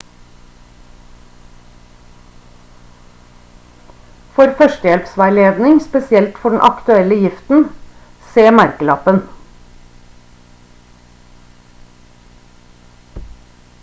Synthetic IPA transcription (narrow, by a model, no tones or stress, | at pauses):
fɔɾfœʃtəjɛlpsʋæleːʋnɪŋspɛsɪɛlt̪fɔɖɳn̩ʔɑ̰kt̪ʉɛləjɪft̪n̩ | seːmæɾkəlɑ̰pən